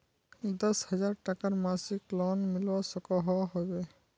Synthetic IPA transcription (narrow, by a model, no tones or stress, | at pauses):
d̪ɔshɔzaɹʈakaɹmasiklɔnmilwɔsɔkɔɦɔɦɔbɛ